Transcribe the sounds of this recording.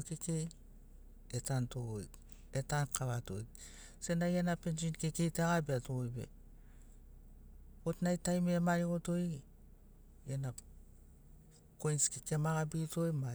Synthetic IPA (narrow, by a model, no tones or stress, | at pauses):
kekej | etantojk | etankaβato̰jk̚ | senajenapensinkekejteaɣabeatoojbḛ | otnajtajmemaɾiɡoto̞j | jena | kojnskekemaɣabitojma